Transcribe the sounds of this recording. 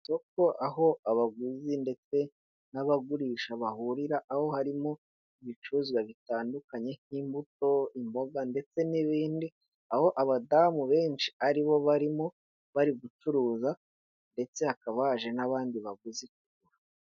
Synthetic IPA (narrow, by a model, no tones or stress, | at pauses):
soko̞ʔaɦo̞aβaɡuzinde̞t͡se̞ | naβaɡuɾiːʃaβahuɾiɾaʔːho̞haɾimo̞ | iβit͡ʃuzwaβitaːndukaɲe̞n̥iːmbuto̞imbo̞ɡande̞t͡se̞niβiːndi | aho̞ʔaβadamuβe̞ːnʃi̥aɾiβo̞βaɾimo̞ | βaɾiɡut͡ʃuɾuːza | nde̞t͡se̞hakaβaʒe̞naβaːndiβaɡuzik̚uɡuɾa